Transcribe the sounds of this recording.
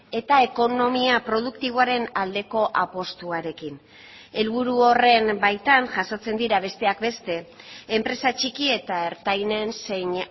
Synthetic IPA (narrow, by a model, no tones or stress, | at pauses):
e̞t̪ae̞ko̞no̞miapɾo̞ð̞ukt̪iβ̞o̞aɾe̞nald̪e̞ko̞ʔapo̞st̪uaɾe̞kin | e̞lβuɾuo̞re̞mbajt̪anʝaso̞t͡se̞nd̪iɾaβ̞e̞st̪e̞akbe̞st̪e̞ː | mpɾe̞sat͡ʃikie̞t̪aeɾt̪ajne̞nseɲ